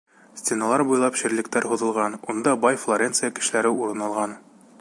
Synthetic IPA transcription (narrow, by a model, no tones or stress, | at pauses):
sʲt̪ʲenɑlˠɑɾbujlˠɑpɕɘ̆ɾlɘ̆k̚t̪æɾɦuðɤ̆lˠʁɑnund̪ɑbɑjflˠoɾʲentsɨjakɘ̆ʃɘ̆læɾɘuɾɤ̆nɑlˠʁɑn